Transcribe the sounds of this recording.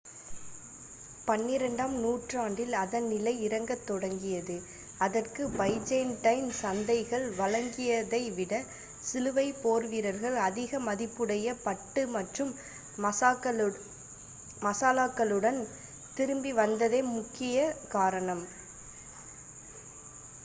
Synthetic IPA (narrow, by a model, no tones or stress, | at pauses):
pɐnːɪɾɐɳɖaːmnuːʈraːɳɖɪlɐðɐnnɪlɐɪɪɾɐŋɡɐt̪ːɔɽɐŋɡɪjɐðɯ | ɐðɐrkɯbɐɪd͡ʒɐɪnʈɐɪnsɐnd̪ɐɪɣɐɭʋɐlɐŋɡɪjɐðɐɪʋɪɽɐ | sɪlɯʋɐɪpoːɾʋɪɾɐɾɣɐɭɐðɪɣɐmɐðɪpːɯɽɐjɐpɐʈːɯmɐʈrɯm | ɐsaːkːɐ | mɐsaːlaːkːɐɭɯɽɐn | t̪ɪɾɯmbiʋɐnd̪ɐðeːmʊkːɪjɐkaːɾɐɳɐm